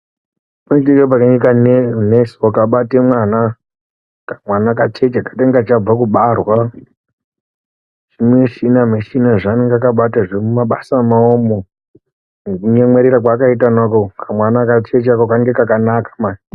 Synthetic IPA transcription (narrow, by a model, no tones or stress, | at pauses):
munitiɡepakaikannesokaɓatemwana | kamwanakat͡ʃet͡ʃakḁteŋɡat͡ʃab͡vakuɓarwa | ʐ̥imweʃinameʃinaʐaneŋɡakaɓataʐemumaɓasamaomo | kuɲemweɾeɾakwakaitanakokamwanakat͡ʃe̞t͡ʃakokaŋɡekakanakḁmai